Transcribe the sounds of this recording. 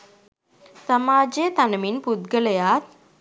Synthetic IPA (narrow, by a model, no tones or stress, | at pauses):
samaːd͡ʒejət̪anəminpud̪ɡələjaːt̪̚